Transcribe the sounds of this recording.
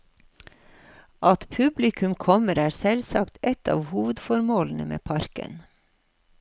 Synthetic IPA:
ʔɑt̪pʰʉblɪkʰʉmkʰɔməɾæːɾsɛlsɑkt̪ɛt̪ɑ̰ːʋhuːʋəd̪fɔɾmoːln̩əmḛːpʰɑɾkə̰n

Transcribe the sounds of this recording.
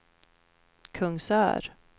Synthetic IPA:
kʰɵŋsœ̰ːɾ

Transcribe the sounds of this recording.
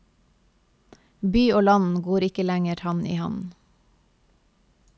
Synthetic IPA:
byːoːlɑn̩ɡoːɾɪkəlæŋəɾhɑnḭːhɑ̰n

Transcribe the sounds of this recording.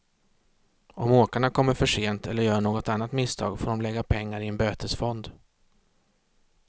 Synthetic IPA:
ɔmoːkaɳakʰɔmːəɾfœʂeːnt̪ʰɛlːəɾjœːɳoːɡɔt̪anːat̪mɪst̪ʰɑ̰ːɡfoːdɔmlɛɡːapʰɛŋːaɾɪɛnbøːt̪ʰəsfɔnd̪

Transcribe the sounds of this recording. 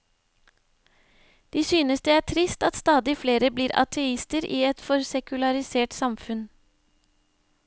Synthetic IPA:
d̪̥iːsyːnəsd̪ɛːæːʈʰɾɪst̪ɑt̪st̪ɑːd̪ɪfleːɾəbliːɾɑ̰t̪ʰɛɪst̪əɾʔiːɛt̪fɔɾsɛkʉlɑɾɪseːʈsɑmfʉn

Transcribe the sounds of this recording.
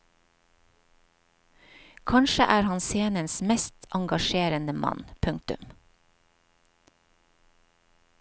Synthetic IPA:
kʰɑnʃəʔæːɾhɑnseːnənsmɛst̪ʰʔɑŋɡɑʃeːɾənəmɑ̰npʰʉŋ̚t̪ʉ̰m

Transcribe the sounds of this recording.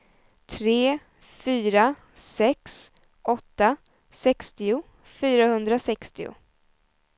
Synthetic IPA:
t̪ʰɾeː | fyːɾa | sɛks | ʔɔt̪ːa | sɛkst̪ɪʊ | fyːɾahɵnd̪ɾasɛkst̪ɪʊ̰

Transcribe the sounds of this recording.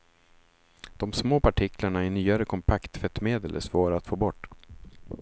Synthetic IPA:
d̪̥ɔmsmoːpʰaʈʰɪklaɳaɪnyːaɾəkʰɔmpʰakt̪fɛt̪ːmeːd̪əlɛ̰svoːɾat̪foːbɔʈː

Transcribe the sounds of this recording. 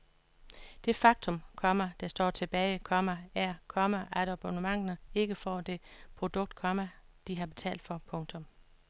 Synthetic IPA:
d̥e̝fɑ̈ɡ̥̚t͡sʰɔ̽mkʰɒ̽mæd̥æsd̥ɒ̰ːt͡sʰe̝b̥ɛːɪkʰɒ̽mææɐkʰɒ̽mæʔæɾ̥ɒb̥onəmɑ̈ŋ̰nəe̝ɡ̥əfɒ̰ːd̥e̝pʰʁo̝d̥ɔ̽ɡ̥̚d̥̚kʰɒmæ | d̥iɦɑ̈b̥e̝t͡sʰɛ̰ːld̥fɒ̽pʰɔ̽ŋt͡sʰɔ̽m

